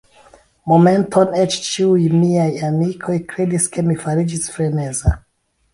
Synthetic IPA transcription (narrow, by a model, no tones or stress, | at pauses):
momẽntʰonet͡ʃt͡ʃiujmiajamikʰo̞jkɾediskʰe̞mifaɾid͡ʒisfɾeneza